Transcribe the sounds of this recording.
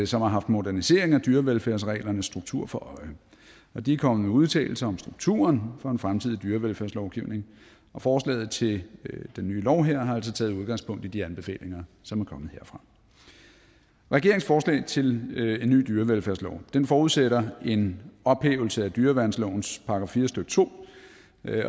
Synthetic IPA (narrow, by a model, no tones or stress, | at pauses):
sɒ̽mhɑ̈ɦɑ̈fd̥mo̝dæɐnise̝ɐ̰e̝ŋæd̥yːɐʋelfæɐ̰s̬ʁɛ̰ːlɐnəsːd̥ʁuɡ̥̚t͡sʰuɐ̰fɒ̽ʔɒ̽ɪ | ɒ̽d̥iækʰɒ̽mð̩ˠmeuð̞ˠt͡sʰɛ̰ːl̩sɐɒ̽msd̥ʁuɡ̥̚t͡sʰṵːɐnfɒ̽e̝nfʁamt͡sʰið̞̰ˠid̥yːɐʋelfæɐslɒʊɡ̥iʊ̰ne̝ŋ | ɒ̽fɒːslɛ̰ːð̩ˠt͡sʰe̝ld̥enːyːlɒʊɦeɐ̰ɦɑ̈æl̰s̬ɒ̽t͡sʰɛ̰ːð̞̩uð̞ˠɡ̥ɑ̈ŋspʰɔ̽ŋ̰d̥id̥iænb̥e̝fɛ̰ːle̝ŋɐ | sɒ̽mæɐkʰɒ̽mð̩ˠhe̝ɐ̰fʁɑ̈ | ʁɛɡ̥e̝ɐe̝ŋsfɒːslɛ̰ɪt͡sʰe̝le̝nːy̰ːd̥yːɐʋelfæɐslɒʊ̰d̥enfɒːuðˠseɾɐe̝nɒ̽b̥hḛːʊl̩səæd̥yːɐʋæɐd̥n̩slɔʊn̩spʰɑ̈ɡ̥ʁɑ̈fiːɐsd̥øɡ̥t͡sʰo̝̰ː